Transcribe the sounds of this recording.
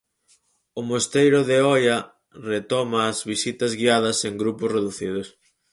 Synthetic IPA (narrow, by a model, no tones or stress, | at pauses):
ʊmost̪ejɾʊðeɔjɐ | ret̪ɔmɐːzβisit̪ɐzɣiað̞ɐseŋɡɾupʊsreðuθið̞ʊs